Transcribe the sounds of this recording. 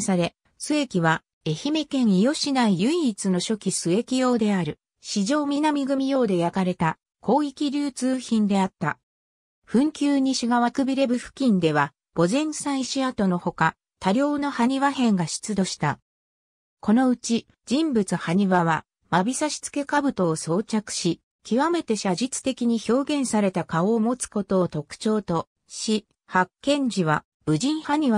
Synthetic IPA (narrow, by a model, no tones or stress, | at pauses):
sad̪e̞ | sɨe̞kʲiβa | e̞çime̞kẽ̞ɰijo̞ɕinaijɯ̟iːt͡sɨno̞ɕo̞kʲisɨe̞kʲijo̞ːd̪e̞aɾɯ̟ | ɕiʑo̞ːmʲinamʲiɡɯ̟mʲijo̞ːd̪e̞jakaɾe̞t̪a | ko̞ːikʲiɾʲɨːt͡sɨːçĩnd̪e̞at̪ːa | ɸɯ̟̃ŋkʲɨːɲ̟iɕiɡaβakɯ̟bʲiɾe̞bɯ̟ɸɯ̟̥kʲĩnd̪e̞βa | b̥o̞zẽ̞ɰ̃sãɰ̃iɕiat̪o̞no̞ho̞ka | t̪aɾʲo̞ːno̞haɲ̟iβaɦẽ̞ŋɡaɕi̥t͡sɨd̪o̞ɕi̥t̪a | ko̞no̞ɯ̟t͡ɕi | d͡ʑĩmbɯt͡sɨhaɲ̟iβaβa | mabʲisaɕi̥t͡sɨ̥ke̞kabɯ̟t̪o̞ːso̞ːt͡ɕakɯ̟̥ɕi | kʲiβame̞t̪e̞ɕaʑit͡sɨ̥t̪e̞kʲiɲ̟iço̞ːɡẽ̞ɰ̃saɾe̞t̪akao̞ːmo̞t͡sɨ̥ko̞t̪o̞ːt̪o̞kɯ̥t͡ɕo̞ːt̪o̞ | ɕi | hakːẽ̞ɲ̟d͡ʑiβ̞a | bɯ̟d͡ʑĩɰ̃haɲ̟iβa